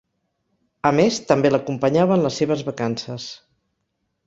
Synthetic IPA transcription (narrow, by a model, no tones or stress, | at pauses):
əmest̪əmbeləkumpəɲaβənləsːeβəzβəkansəs